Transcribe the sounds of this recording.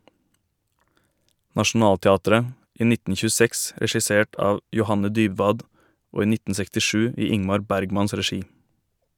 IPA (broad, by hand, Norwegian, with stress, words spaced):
nɑʃn̩ˈɑːltɛˌɑːtəɾə ˈiː ˈnɪtn̩ çʉːˈsɛks ɾɛʃɪˈseːʈ ˈɑːʋ jʊˈhɑnə ˈdyːbʋɑːd ˈoː ˈiː ˈnɪtn̩ sɛktɪˈʃʉː ˈiː ˈɪŋmɑɾ ˈbæɾɡmɑns ɾɛˈʃiː